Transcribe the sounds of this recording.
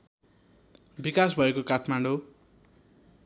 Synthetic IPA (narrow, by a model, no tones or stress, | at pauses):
bikasbʱʌekokaʈʰmaɳɖo